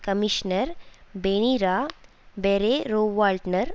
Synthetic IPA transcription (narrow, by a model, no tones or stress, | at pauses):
kɐmiʃnəɾbeːɽ̃iɾa | beːɾeɾoːʋaːlʈnəɾ